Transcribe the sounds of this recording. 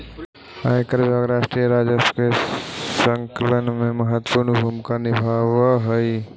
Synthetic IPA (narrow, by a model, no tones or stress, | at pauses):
aekəɾbʱjaɡɾaʃʈɾijəɾad͡ʒəskesəŋkələnmeməɦət̪ːəpuɾnbʱumkanibʱaʋɦəj